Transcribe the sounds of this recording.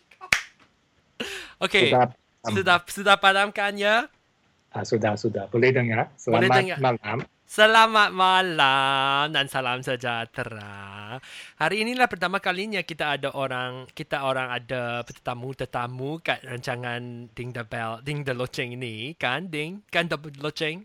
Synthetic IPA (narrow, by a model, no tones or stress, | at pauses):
okea | ssudasudahpalamkanja | asudahsudahbolɛhdəŋasəlalɛadəŋamalam | səlamat̪̚malamdansalamsəd͡ʒat̪əɾa | haɾiːnĩlahpərt̪amãkaliɲãkit̪aːdaʔoɾaŋkit̪aoɾaŋadapət̪ət̪amut̪ət̪amukat̪̚raɲt͡ʃaŋãndɪŋdəbɛldɪŋdəlot͡ʃɛŋinikandiŋkand̪olot͡ʃɛŋ